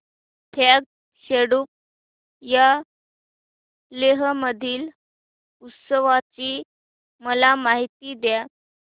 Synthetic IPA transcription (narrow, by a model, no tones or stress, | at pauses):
t̪ʰaɡ̚ | ɕeɽuːp̚ | ja | leɦəməd̪ʱiːl | ut̪səʋat͡ɕiː | məlamaɦit̪iːd̪ja